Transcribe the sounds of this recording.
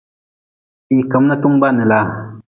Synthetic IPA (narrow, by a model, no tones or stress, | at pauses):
iːkɐmnɐt̪uŋbaːnilaː